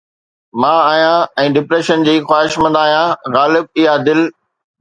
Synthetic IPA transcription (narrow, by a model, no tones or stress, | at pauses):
mãːaːijãɛ̃ːɖɪpɾeːʃənd͡ʑiːxwaːɪʃmɐ̃nd̪aːɦijãɣaːlɪb̚ɪɦad̪ɪl